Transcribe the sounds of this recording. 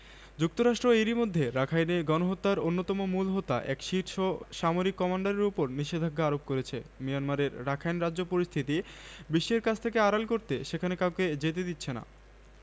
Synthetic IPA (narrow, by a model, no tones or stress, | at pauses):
d͡ʑuk̚t̪oɾaʃʈɾoeɾimod̪ʱːeɾakʰajneɡɔnoɦot̪ːaɾonːot̪ɔmomulɦot̪ːa̰ʔɛ̰kʃiɾʃoʃamoɾikːɔmaɳɖaɾeɾupoɾniʃed̪ʱaɡʱaaɾop̚koɾet͡ɕʰemianmaɾeɾːakʰajnɾadd͡ʑopoɾist̪ʰit̪ibiʃːeɾkat͡ɕʰt̪ʰekeaɾalkoɾt̪eʃekʰanekawked͡ʑet̪ed̪it̪ːɕʰena̰